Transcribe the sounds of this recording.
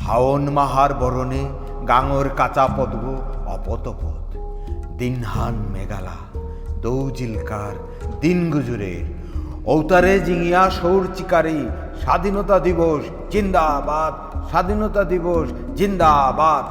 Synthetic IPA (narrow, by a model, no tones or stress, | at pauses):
ha̰onmaɦaɾbɔɾone | ɡaŋoɾkat͡ɕapɔd̪ɡoɔ̰pot̪opot̪ | d̪inɦanmḛɡa̰la̰ | d̪owd͡ʑilkaɾ | d̪inɡud͡ʑuɾḛɾ | owt̪aɾed͡ʑiŋijaʃowɾt͡ɕikaɾi | ʃad̪ʱinɔt̪ad̪iboʃ | d͡ʑind̪abad̪̚ | ʃad̪ʱinot̪ad̪iboʃ | d͡ʑind̪abad̪